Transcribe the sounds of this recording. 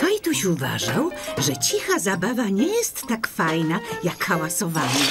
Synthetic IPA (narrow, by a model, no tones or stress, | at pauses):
kajt̪uɕuva̰ʐawʐɛt͡ɕixazabavaɲɛjɛst̪ːakfajnajakxawasɔvaɲi